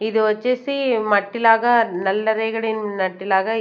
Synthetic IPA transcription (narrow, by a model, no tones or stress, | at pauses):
ɪðɯɔt͡ʃːɐsimɐʈːɪlaːɣɐnɐlːɐɾɐɪɣɐɭɪnnɐʈːɪlaːɣɐ